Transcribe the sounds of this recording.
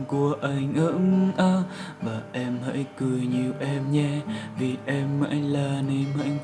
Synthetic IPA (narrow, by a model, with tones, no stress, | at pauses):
ku˧˩əʔa˧jŋ̟ʔɨ˧˥ŋʔaː˧˩ | vaː˨˩ʔɛ˧mhə̰ː˧˥jkɨ˨˩əjɲi˨˩əwʔɛ˧mɲɛ˧vi˨˩ʔɛ˧mːə̰˧˥jŋlaː˧˩ne˧mə̰˧˦jŋ̟